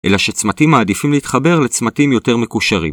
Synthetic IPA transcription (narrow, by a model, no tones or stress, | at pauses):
ʔe̞̰laʃe̞t͡smatimːaːd̪ifimleitχabe̞ʁle̞t͡smatimjo̞te̞ʁme̞kuʃaʁḭm